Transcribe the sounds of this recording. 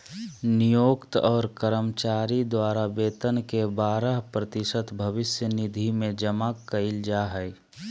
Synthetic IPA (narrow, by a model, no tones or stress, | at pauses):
nijoːkt̪ɔːɾkəɾəmt͡ʃaːɾid̪waːɾabeːt̪ənkebaːɾəɦpɾət̪ɪsət̪bʱəʋɪsjənɪd̪ʱimẽd͡ʒəmakəɪld͡ʒaɦəj